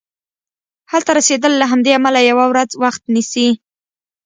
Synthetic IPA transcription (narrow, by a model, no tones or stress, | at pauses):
halt̪aɾased̪əlːaɦamd̪eamalajawawɾad͡zwaxt̪nisi